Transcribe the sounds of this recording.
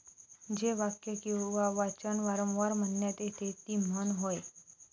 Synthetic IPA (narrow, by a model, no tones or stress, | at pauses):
d͡ʑeʋakjəkĩwʋaʋat͡ɕənʋaɾəmʋaɾmənjat̪et̪ʰet̪iːm̤ənɦoj